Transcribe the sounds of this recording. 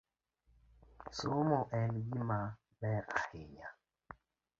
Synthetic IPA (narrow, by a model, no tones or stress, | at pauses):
somoʔɛnɡima | bɛkakeɲa